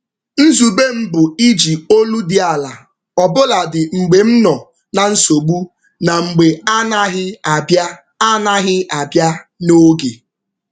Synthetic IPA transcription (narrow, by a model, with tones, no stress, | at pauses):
n̩˦zu˨be˦m̩˦bʊ˨i˦d͡ʒi˨o˦lu˦dɪ˨a˨la˨ | ɔ˨bʊ˦la˨dɪ˨ŋ͡m̩˨ɡ͡be˨m̩˦nɔ˨ | na˨n̩˦so˨ɡ͡bu˦ | na˨ŋ͡m̩˨ɡ͡be˨a˦na˦ɦɪ˦˨˦ | a˦na˦ɣɪ˦a˨bja˦no˦ɡe˨